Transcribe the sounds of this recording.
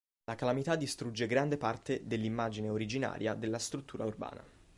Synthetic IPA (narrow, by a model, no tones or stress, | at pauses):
lakalamit̪ad̪ːist̪ɾud͡ʒːeɡɾand̪epart̪ed̪elːimːaːd͡ʒineoɾid͡ʒina̰ːɾʔja̰d̪elːast̪ɾut̪ːuːɾʔaurba̰ːna̰